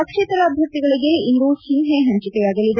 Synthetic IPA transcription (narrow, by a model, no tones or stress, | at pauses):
ɐkʂeːt̪ɾɐːbʱjɐk̚t̪iɡɐɭiɡeind̪uʃinɦeɦɐɲt͡ʃit̪ejaːɡɐlːid̪